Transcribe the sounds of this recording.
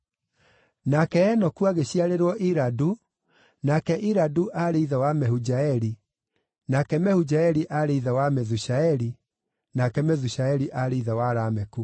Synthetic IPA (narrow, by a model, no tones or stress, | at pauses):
nakɛɛnɔkuaɣeɕiaɾeɾwɔʔiɾadu | nakɛʔiɾaduʔaɾeiðawamɛhud͡ʒaɛɾi | nakɛmɛhud͡ʑaɛɾiʔaɾeiðawamɛðuɕaɛɾi | nakɛmɛðuɕaɛɾiʔaɾeiðawaɾaːmɛku